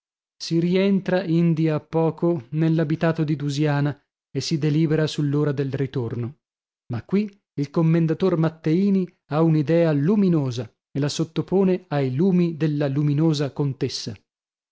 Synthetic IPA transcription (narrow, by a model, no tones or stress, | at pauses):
siɾient̪ɾaind̪iaːpːɔːkonelːabit̪aːt̪od̪id̪uzjaːna | esid̪eliːbeɾasulːoːɾad̪elrit̪orno | makːwi | ilkomːend̪at̪ormat̪ːeiːni | aunid̪ɛːaluminoːza | elasot̪ːopoːneajluːmid̪elːaluminoːzakont̪esːa